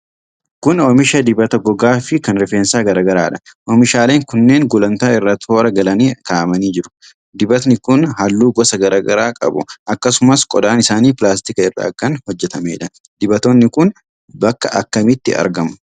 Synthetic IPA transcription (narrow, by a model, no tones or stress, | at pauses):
kʊnɔmɪʃɐd̪ɪbɐt̪ɐɡɔɡaːfɪkɐnɾɪfeːnsaːɡɐɾaːɡɐɾaːᶑɐ̥ʔɔmɪʃaːle̞ːŋkʊnːe̞ːŋɡʊlɐnt̪aːɪrːɐt̪hoːɾɐɡɐlɐniːkaːʔɐmɐniːd͡ʒɪɾʊ̥ | d̪ɪbɐt̪nɪkʊnɦɐlːuːɡɔsɐɡɐɾaːɡɐɾaːkʼɐ̰bʊ̰ʔɐkːɐsʊmɐskʼɔd̪aːnɪsaːniːpɪlaːst̪ɪkɐɪrːɐ̰ːkːɐnhɔd͡ʒːɛt̪ɐmeːᶑɐ | d̪̥ɪbɐt̪oːnːɪkʊn | bɐkːɐʔɐkːɐmɪt̪ːɪɐ̰ɾɡɐmʊ̥